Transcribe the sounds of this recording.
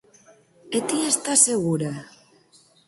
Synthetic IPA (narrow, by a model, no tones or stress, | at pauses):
et̪iest̪aseɣuɾa